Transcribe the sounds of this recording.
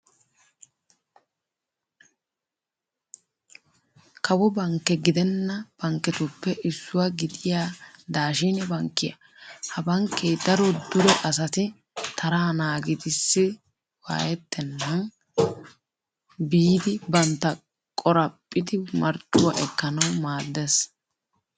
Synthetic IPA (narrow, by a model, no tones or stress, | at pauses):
kɐwɔbɐŋkːɛɡɪd̪ɛnːɐb̥ɐŋkːɛt̪ʊpːɛɪsːʊwaɡɪd̪ɪjaːd̪aːʃinɛbɐŋkːɪjɐ̰ | hɐbɐŋkːeːd̪ɐɾɔd̪ʊɾɛʔɐs̬ɐt̪ɪ | t̪ʰɐɾaːnaːɡɪd̪ɪsːɪ | wa̰ːjɛt̪ːɛnːɐn | biːd̪ɪbɐnt̪ːɐ | kʼɔɾɐpʼːɪd̪ɪmɐɾt͡ʃʼːʊwaʔɛkːɐnɐwmaːd̪ːɛs